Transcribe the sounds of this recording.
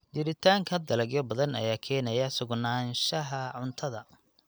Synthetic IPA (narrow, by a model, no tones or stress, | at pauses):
d̪ɪɾɪt̪ʰaːŋkʰɐd̪ɐlɐɡjɔbɐðɐnɐ̰jaːkʰɛːnɐjɐsʊɡnaːnʃɐɦɐʕʊnt̪ʰɐðɐ